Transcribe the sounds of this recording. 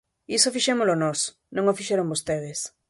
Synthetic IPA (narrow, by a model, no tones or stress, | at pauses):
isofiʃɛmolonɔs | nõŋofiʃɛɾoŋbost̪eð̞ɪs